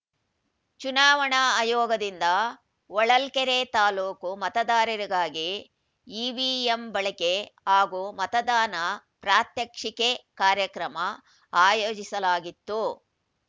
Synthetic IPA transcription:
t͡ʃunaːʋɐɳaɐːjoːɡɐd̪ind̪ɐ | ɔɭɐlkeɾet̪aːluːkumɐt̪ɐd̪aːɾɐɾiɡaːɡi | iːʋiembɐɭɐkeɦaːɡuːmɐt̪ɐd̪aːnɐ | pɾaːt̪jɐkʂikekaːɾjɐkɾɐmɐ | aːjoːd͡ʒisɐlaːɡit̪ːu

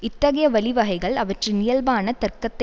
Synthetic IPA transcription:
ɪt̪ːɐɣɐjɐʋɐlɪʋɐɦɐɪɣɐɭɐʋɐʈrɯnɪjɐlbaːnɐt̪ɐrkɐt̪ːɐ

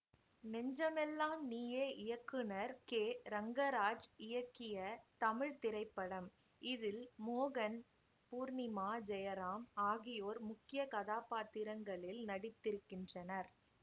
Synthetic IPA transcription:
nɛɲd͡ʒɐmɛlːaːmniːjeːʔɪjɐkːɯnɐɾkeːɾɐŋɡɐɾaːd͡ʒɪjɐkːɪjɐt̪ɐmɪɻt̪ɪɾɐɪpːɐɽɐm | ɪðɪlmoːɣɐn | puːɾnɪmaːd͡ʒɛjɐɾaːmaːɣɪjoːɾmʊkːɪjɐkɐðaːpaːt̪ːɪɾɐŋɡɐɭɪlnɐɽɪt̪ːɪɾɯkːɪndrɐnɐɾ

